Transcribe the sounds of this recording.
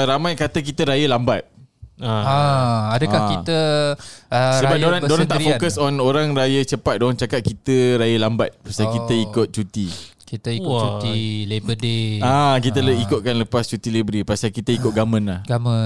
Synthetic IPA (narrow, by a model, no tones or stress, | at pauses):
ɾamãjkat̪ək̬it̪əɾajəlambat̪̚ãaadəkakit̪ə | əsəbadoɾaŋdoaŋt̪aʔfokəsɔnoɾaŋɾajət͡ʃəpat̪̚doɾaŋt͡ʃakat̪̚kit̪əɾajəlambat̪̚pasalkit̪əikʊt̪̚t͡ʃut̪ikit̪əiuilebədeakit̪̬ələikʊt̪̚kanləpast͡ʃut̪ilebɾipasalkit̪əikʊt̪̚ɡamə̃nlaɡamə